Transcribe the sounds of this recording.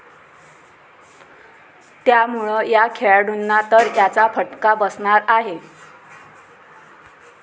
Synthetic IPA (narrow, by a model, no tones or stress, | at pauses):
t̪jamuɭəjakʰeɭɽʱunːat̪əɾjat͡safəʈkabəsɳaɾaɦe